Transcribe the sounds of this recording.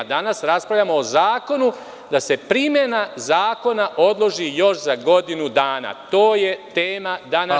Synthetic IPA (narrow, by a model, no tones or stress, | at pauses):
d̪anasɾaspɾaʋlʎamo̞ːzaːko̞nu | d̪ase̞pɾimje̞nazaːko̞naʔo̞d̪lˠo̞ʒijo̞ʃzaɡo̞d̪inud̪aːna̰t̪o̞ːje̞t̪e̞ːmad̪ana